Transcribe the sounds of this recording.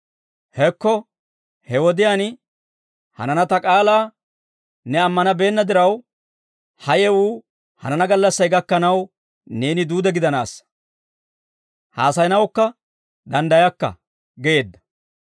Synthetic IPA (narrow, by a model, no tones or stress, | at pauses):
hɛkːɔ | hɛwɔd̪ɪjaːn | hɐ̰nɐnɐt̪ɐkʼaːlaː | nɛɐmːɐnɐbe̞ːnːɐd̪ɪɾɐw | hɐjɛwuː | hɐ̰nɐnɐɡɐlːɐsːɐjɡɐkːɐnɐw | ne̞ːnɪd̪uːd̪ɛɡɪd̪ɐnaːs | ha̰ːsɐjnɐwkːɐ | d̪ɐnd̪ɐjɐkːɐ̰ | ɡɛje̞ːd̪ːɐ̥